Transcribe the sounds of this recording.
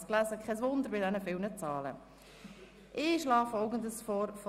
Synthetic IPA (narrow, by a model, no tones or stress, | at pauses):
sklæzəkʰɛsʋʊnd̪əɾbɪdɛnəfɪlnət͡sɑːlə̰ | ʔɪʃlɑːfɔʊɡəndəsfɔːɾfɔ